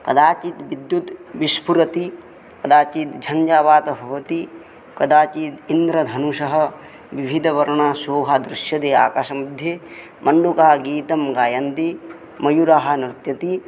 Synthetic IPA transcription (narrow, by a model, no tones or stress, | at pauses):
kɐd̪aːt͡ʃit̪ʋid̪jut̪ʋiʃpʰuɾɐt̪i | kɐd̪aːt͡ʃit̪d͡ʒʱɐɲd͡ʒaːʋaːt̪ɐbʱɐʋɐt̪i | kɐd̪aːt͡ʃiːt̪ind̪ɾɐd̪ʱɐnuʃɐɦɐ̆ | ʋibʱid̪ʱɐʋɐɾɐɳasoːɦad̪ɾɪʃjɐd̪eːa̰ːkaːʃɐmɐd̪ʱje | mɐɳɖukaːɡiːt̪ɐmɡaːjɐnt̪i | mɐjuɾaɦɐ̆nɾɪt̪jɐt̪i